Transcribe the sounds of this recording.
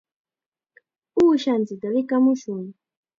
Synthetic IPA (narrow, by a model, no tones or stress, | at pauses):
uʃand͡zidalikamuʃuni